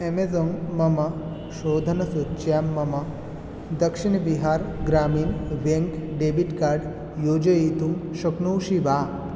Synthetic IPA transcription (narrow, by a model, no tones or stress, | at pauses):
emed͡zoŋmɐmɐ | ʃoːd̪ʱɐnɐsut͡ʃjaːmːɐmɐ | d̪ɐkʂiɳbiɦaːɾɡɾaːmiːnʋeŋkɖebiʈkaːɾɖ | joːd͡ʒɐjit̪umʃɐknowʃiʋaː